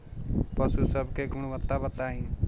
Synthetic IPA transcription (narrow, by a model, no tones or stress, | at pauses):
pəsusəbkeːɡʊɳ̃ʋət̪ːabət̪aːɦĩː